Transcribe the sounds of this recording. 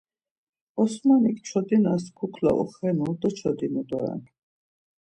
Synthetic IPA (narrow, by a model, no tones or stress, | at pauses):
ɔsmanikʰt͡ʃʰɔd̪inaskʰukʰla̰ʔɔ̰χɛnud̪ɔt͡ʃʰɔd̪inud̪ɔɛ̰n